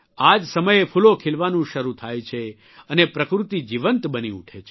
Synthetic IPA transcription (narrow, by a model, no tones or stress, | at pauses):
ad͡ʒsəməjepʰulokʰelʋanũʃəɾut̪ʰajt͡ʃʰe | ənepɾəkɾut̪id͡ʒiʋənt̪bəniṵʈʰet͡ʃʰe